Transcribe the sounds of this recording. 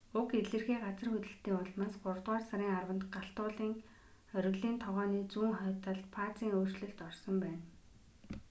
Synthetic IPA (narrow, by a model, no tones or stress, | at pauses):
ʊkeɮɘ̆rxeːɢat͡sə̆rxɵt̪ɘ̆ɬt̪iːŋʊɮmaːsɢʊrt̪ʁaːrsaɾiːŋarwə̆nt̪ɢaɬt̪ʊːɮiːŋ | œɾ̆ɣɮiːnt̪ʰɔʁœːniːt͡suːŋχœːt̪ăɮpʰaːt͡siːŋoːr̥t͡ɕɮɘ̆ɬt̪ɔrsɞ̆mpæːn